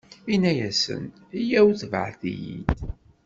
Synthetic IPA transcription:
inæjæsə̰n | ijæwθv̰ʕθḭjḭn

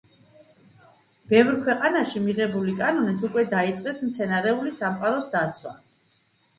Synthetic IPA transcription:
b̥ɛvɾkʰwɛqʼanaʃimiʁɛbulikʼanɔnit̪ʰukʼwɛd̪ait̪sʼqʼɛsmt̪sʰɛnaɾɛulisamqʼaɾɔsd̪at̪sʰwa̰

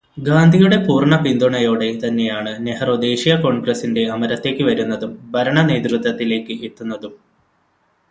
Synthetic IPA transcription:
ɡaːnd̪ʱijuɽe̞puːrɳɐpind̪uɳɐjo̞ːɽe̞t̪ɐnːe̞jaːɳɨnehɐro̞ːd̪e̞ːɕijɐko̞ːɳɡrɐsinde̞ɐmɐɾɐt̪ːe̞ːkʲːɨʋɐɾunːɐðumbʱɐɾɐɳɐne̞ːd̪rɨt̪ʋɐt̪ːile̞ːkːɨʔet̪ːunːɐðum

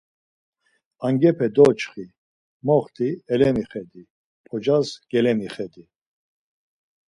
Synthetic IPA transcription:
aŋɡɛpʰɛd̪ɔt͡ʃχi | mɔχt̪ʰiɛlɛmiχɛd̪i | pʼʰɔd͡ʒasɡ̥ɛlɛmiχɛd̪i

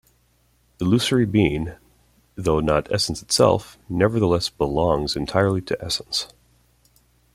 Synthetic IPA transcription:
ðəlʉsə˞ibiɪ̃n | ðoʊnəɾɛ̰sn̩sɨtsɛ̰lˠfnɛvə˞ðəlɛsb̥əlɔ̃ŋzɨ̃ntʰaɪə˞lˠiɾʰɨʔɛsn̩s

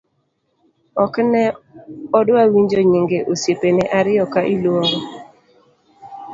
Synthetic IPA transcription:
ɔknɛɔdwawiɲd͡ʒoɲiŋɡeʔosjepeneʔaɾɪɔkaʔilwoŋɡo

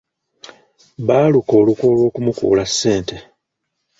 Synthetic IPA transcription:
βaːluko̞ːluko̞ːlwo̞ːkumukṵːlasːe̞ːnte̞

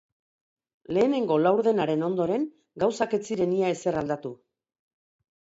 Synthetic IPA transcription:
le̞ːne̞ŋɡo̞lawɾðe̞naɾe̞no̞nd̪o̞ɾe̞ŋ | ɡawsake̞t͡siɾe̞niae̞se̞rald̪at̪u

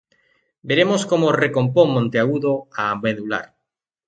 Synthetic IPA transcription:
beɾemoskomorekompoŋmõnt̪eaɣuðoameðula̰ɾ

